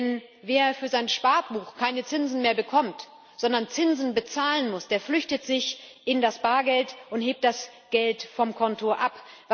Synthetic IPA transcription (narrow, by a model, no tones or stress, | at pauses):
n | veːɐfyːɐzaɪnʃpaɐt̚b̥uːxkʰaɪnət͡sɪnzn̩meːɐbəkʰɔmt | z̥ɔndɐnt͡sɪnzn̩bət͡saːlənmʊsd̥eːɐflʏçtətz̥ɪçʔɪndasb̥aːɐɡɛltʊntheːp̚td̥asɡ̥ɛltfɔmkʰɔntoʔapv